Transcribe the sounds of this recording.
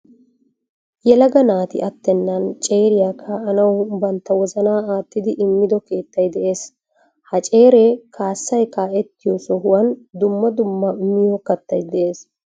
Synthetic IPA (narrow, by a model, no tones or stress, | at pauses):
jɛlɐɡɐnaːt̪ɪ̰ʔɐt̪ːɛnːɐnt͡ʃʼe̞ːɾɪjaːkʰːɐːnɐwbɐnt̪ːɐwɔzɐnaːaːt̪ːɪd̪ɪʔɪmːɪd̪ɔke̞ːt̪ːɐjd̪ɛʔe̞ːs | hɐt͡ʃʼe̞ːɾekaːsːɐjkaːɛt̪ːɪjɔsɔɦʊwɐnd̪ʊmːɐd̪ʊmːɐmɪjokɐt̪ːɐjd̪ɛʔe̞ːs